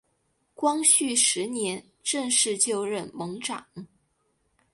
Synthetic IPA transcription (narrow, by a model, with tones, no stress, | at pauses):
kwɑ˥ŋɕy˥˩ʂɻ̩˧˥njɛ˧˥n | ʈ͡ʂɤ˥˧ŋʂɻ̩˥˧t͡ɕjo˥˧ʊɻə˥˩nmɤ˧˥ŋʈ͡ʂɑ˨˩˦ŋ